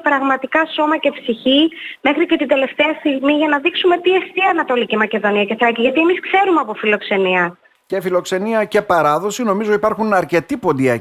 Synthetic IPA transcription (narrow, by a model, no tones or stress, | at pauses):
pɾɐɣmɐt̪ikɐso̞mɐce̞psiçime̞xɾice̞t̪ind̪e̞le̞ft̪eɐst̪iɣmiʝɐnɐðiksume̞t̪iest̪iɐnɐt̪o̞licimɐce̞ðo̞niɐce̞θɾɐciʝɐt̪ie̞miskse̞ɾumeɐpo̞filo̞kse̞niɐ | ce̞filo̞kse̞niɐce̞pɐɾɐðo̞sino̞mizo̞ipɐɾxunɐɾce̞t̪ipo̞nd̪iɐ